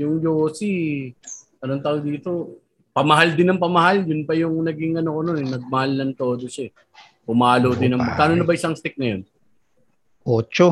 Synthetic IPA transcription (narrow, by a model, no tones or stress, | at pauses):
jʊŋjoːsi | ɐnont̪ad̪iːt̪o̞ | pɐmɐɦald̪ɪnɐŋpɐmɐhaljʊnpɐjʊŋnɐɡɪŋʔɐnokononɛnɐɡ̚mɐhalnɐŋt̪o̞ːd̪o̞ʃaɛ | pʊmaːlod̪ɪnɐŋɐt̪aːnonɐbɐʔɪsɐŋst̪ɪk̚nɐjon | ʔoːt͡ʃo